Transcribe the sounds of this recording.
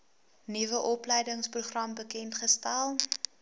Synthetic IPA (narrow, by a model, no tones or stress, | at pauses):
nivəʔɔplɛjdəŋspruχrɐmbəkɛntχəstælˠ